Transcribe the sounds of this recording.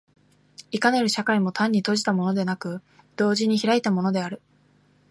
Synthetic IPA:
ikane̞ɾɯ̟ɕakaimo̞t̪ãɲ̟ːit̪o̞ʑi̥t̪amo̞no̞d̪e̞nakɯ̟ | d̪̥o̞ːʑiɲ̟içiɾait̪amo̞no̞d̪e̞aɾɯ̟

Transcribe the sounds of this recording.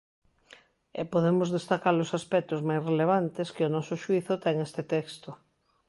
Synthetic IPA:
ḛpoðemʊzðest̪akaɾlosaspɛk̚t̪ozmajsreleβ̞ant̪eskɪʊnɔsʊʃwiθʊt̪ɛŋest̪et̪ɛkst̪o

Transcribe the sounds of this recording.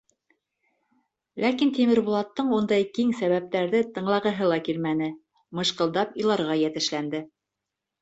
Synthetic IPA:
lækint̪imɘ̆ɾβŭlˠɑt̪ːɤɴund̪ɑjkiŋsæβæp̚t̪æɾðɘt̪ɤ̆ɴlˠɑʁɤ̆ɦɤlˠɑkilmænɘ | mɤ̆ʃqɤ̆lˠd̪ɑpilˠɑɾʁɑjæt̪ɘ̆ʃlænd̪ɘ

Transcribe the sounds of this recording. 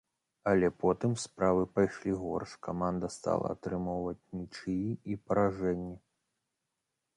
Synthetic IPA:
ɐlʲɛpɔt̪ɨmspɾavɨpajʂlʲiɣɔ̰rʂkamand̪ɐst̪a̰lˠɐ̰ːt̪ɾɨmɔwvɐt͡sʲnʲit͡ʂɨjiipɐɾaʐɛnʲːi

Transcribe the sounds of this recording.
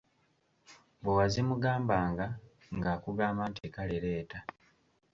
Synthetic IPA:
bwewazimuɡaːmbaːŋɡa | ŋɡaːkuɡaːmaːnteːkaleɾe̞ːta

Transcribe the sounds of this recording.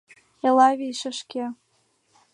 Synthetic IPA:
elɑβʲiʃə̆ʃkʲe

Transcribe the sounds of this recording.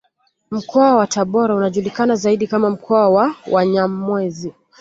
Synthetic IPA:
m̩kʰɔawataɓɔɾaunaʄulikanazaiɗikamam̩kʰɔawawʔaɲam̩mwɛzi

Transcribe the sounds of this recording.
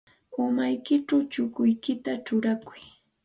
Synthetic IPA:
amajkɪʈ͡ʂawt͡ʃʊkʊjkɪt̪at͡ʃʊɾakʊj

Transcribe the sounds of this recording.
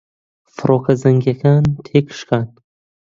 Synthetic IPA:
fɾɔːkʰazaŋɡakʰant̪ʰekʰʃkan

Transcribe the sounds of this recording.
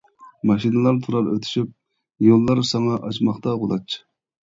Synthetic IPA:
mɑʃinɨlˠɑɾt̪ʰuɾɑɾø̰t̪ʰy̥ʃyp̚ | jolˠːɑɾsɑŋɑʔɑt͡ʃmɑχt̪ɑʁolˠɑt͡ʃʰː

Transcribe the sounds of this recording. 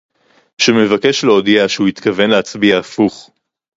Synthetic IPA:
ʃeme̞vake̞ʃleod̪iaʃehuit̪kave̞nleat͡sbiaːfuχ

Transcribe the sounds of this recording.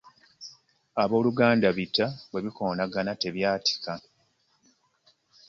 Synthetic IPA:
aβo̞ːluɡaːndaβitːawe̞βiko̞ːnaɡanate̞βjaːti̥ka

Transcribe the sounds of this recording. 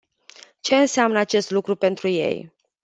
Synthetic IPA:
t͡ʃe̞ɨnseamnəat͡ʃe̞st̪lukɾupe̞nt̪ɾuje̞̰j

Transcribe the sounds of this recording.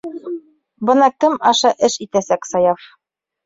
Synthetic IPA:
bɤ̆nɑkɘmɑʃɑʔɘʃit̪æsæksɑjɑf

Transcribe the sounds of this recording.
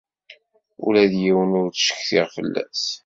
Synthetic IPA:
ṵlæðjiwənʊɾt͡sʃə̥çθɪʁfəlːæ̰s

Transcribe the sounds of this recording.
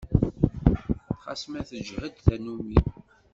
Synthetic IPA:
χɑ̰smæθəʒhəd̪θænumi

